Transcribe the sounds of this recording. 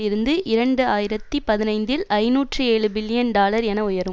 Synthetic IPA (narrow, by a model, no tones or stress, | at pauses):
ɪɾɯnd̪ɯʔɪɾɐɳɖɯaːjɪɾɐt̪ːipɐðɪnɐɪnd̪ɪlɐɪnuːʈrɯeːɭɯbɪlːɪjɐnɖaːlɐɾɛnɐʊjɐɾɯm